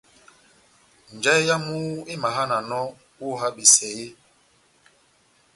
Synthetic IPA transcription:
n˨d͡ʒa˦i˦ja˦mu˦i˦ma˨ɦa˦na˨nɔ˦ | wu˦˨ɦa˦ɓi˨sɛ˨ji˦

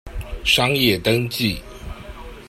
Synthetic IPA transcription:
ʂɑ˥ŋjɛ˥˨t̪ə˥˦ŋt͡ɕi˥˨

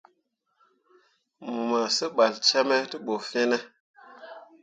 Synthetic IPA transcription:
mu˨ma˨sə˦ɓa˨lt͡ʃa˦me˦tə˦ɓo˨fẽ˦ne˦

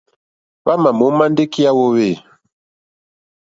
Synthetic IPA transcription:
βa˦ma˨mo˨˦ma˦nde˦ki˦a˦wo˦we˦˨

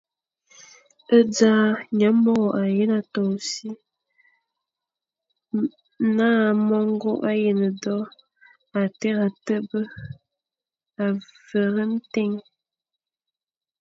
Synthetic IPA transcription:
ə˦d͡za˦ɲa˨˦mɔ˦ɣɔ˨ʔa˨je˦na˨tɔ˨si˦ | naː˦˨mɔ˦ŋ˦ɡo˦ʔa˦je˨nə˨dɔ˦ | a˨tɛ˦ɣa˨tə˦bə˦ | a˨və˨ɾə˦n̩˦te˦ŋ

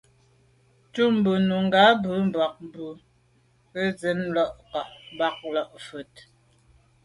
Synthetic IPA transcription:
tu˦m̩˨˦bʉ˨nu˨ŋ̩˨ɡa˨˦bʉ˨˦m̩˦˨ba˨k̚m˦bʉ˨ | pə˦d͡ze˨˦mlɔ˦ʔka˨ʔm˦ba˦k̚lɔ˦ʔfʉ˨t̚

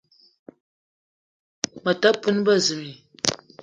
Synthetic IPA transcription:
mə˨ta˦pɨ˦n˦ba˦˨zɨ˨mi˨

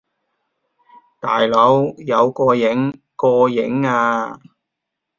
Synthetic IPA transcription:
t̪aː˨˩jlɔ˨˥wjɐ˨˧wkɔː˧jɪ˨˥ŋ | kɔː˧jɪ̰˨˥ŋaː˧

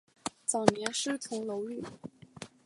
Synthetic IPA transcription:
t͡sɑ˨˩ʊnjɛ˧˥nʂɻ̩˥˩t͡sʰʊ˧˥ŋlo˧˥ʊly˥˩

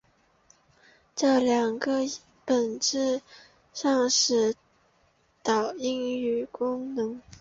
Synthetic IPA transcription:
ʈ͡ʂɤ˥˩ljɑ˨˩ŋɡə˦ | pə˨˩nʈ͡ʂɻ̩˥˧ | ʂɑ˥˧ŋʂɻ̩˥˩ | t̪ɑ˨˩ʊi˥ŋy˨˩kʊ˥ŋnɤ˧˥ŋ

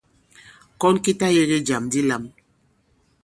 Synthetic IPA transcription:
kɔ˦nki˦ta˦je˦ɣe˦d͡ʒa˨mdi˦la˦m

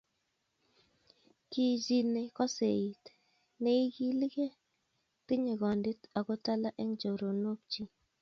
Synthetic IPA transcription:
ki˨d͡ʒi˨ne˨kɔ˦se˨i˨t | ne˨˦i˦ɡi˦li˦ɡe˦ | tɪ˦ɲe˨ɡɔ˨ndi˦ta˨kɔ˦ta˦la˦ʔɛ˦ŋd͡ʒo˨ɾo˨no˦k̚t͡ʃi˦

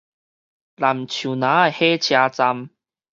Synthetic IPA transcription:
la˨˩m˨t͡ɕʰju˨˩nãː˨˦a˨jhe˦t͡ɕʰjaː˧t͡sa˧m

